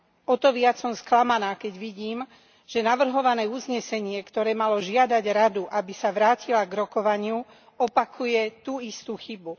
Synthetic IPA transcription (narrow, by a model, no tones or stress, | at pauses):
ɔt̪ɔʋɪat͡sːɔmsklamanaːkɛɟʋiɟiːm | ʒ̥ɛnaʋr̩ɦɔʋanɛːuzɲɛsɛɲɪɛkt̪ɔɾɛːmalɔʒɪad̪aɟɾad̪uʔabisaʋɾaːcilaɡɾɔkɔʋaɲɪu | ɔpakʰujɛt̪uːist̪uːxibu